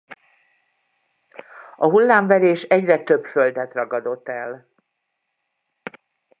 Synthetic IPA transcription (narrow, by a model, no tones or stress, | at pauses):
ɒɦulːaːɱvɛɾeːʃɛɟrɛt̪ø̞bføld̪ɛt̪rɒɡɒd̪o̞t̪ːɛl